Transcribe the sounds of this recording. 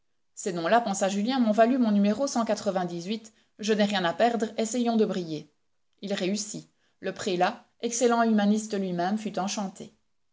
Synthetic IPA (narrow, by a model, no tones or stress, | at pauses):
senɔ̃lapɑ̃saʒyljɛ̃mɔ̃valymɔ̃nymeʁosɑ̃kat̪χəvɛ̃d̪izɥit̪ | ʒənɛʁjɛ̃napɛʁd̪ʁɛsɛjɔ̃d̪əbʁije | ilʁeysi | ləpχela | ɛkselɑ̃ymanist̪əlɥimɛmfyt̪ɑ̃ʃɑ̃t̪e